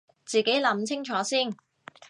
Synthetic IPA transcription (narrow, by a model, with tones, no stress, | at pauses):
t͡siː˨ke˨˥jlɐ˨˥mt͡sʰɪ˥ŋt͡ʃʰɔː˨˥siː˥˩n